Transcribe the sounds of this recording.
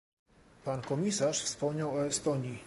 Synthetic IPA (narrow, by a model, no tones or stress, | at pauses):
pankɔmʲisaʂfspɔmɲawɔɛst̪ɔɲi